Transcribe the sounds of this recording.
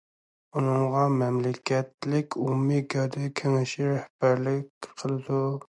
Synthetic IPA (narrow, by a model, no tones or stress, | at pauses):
unɨŋʁɑmɛmlɪkʲɛt̪lɪkʲʰumːɪɡʲɑd̪ɛkʲʰeŋɪʃiɾɛhb̥æɾlɪkʲqʰəlˠɨd̪u